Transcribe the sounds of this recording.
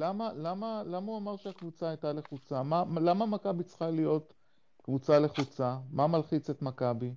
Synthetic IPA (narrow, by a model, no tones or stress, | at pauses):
lamalamalamauamaʁʃeakvut͡saajtaleχut͡samalamamakabit͡sχalijo̞t | kvut͡sale̞χut͡samamalχit͡se̞t̪makabi